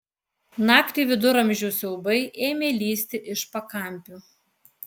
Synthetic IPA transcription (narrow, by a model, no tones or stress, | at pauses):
nɑːkt̪ʲiːʋʲɪd̪ʊɾɐmʲʒʲuʊsʲɛʊbɐɪʔeːmʲeːlʲiːsʲt̪ʲɪʔɪʃpɐkɐˑmʲˑpʲuː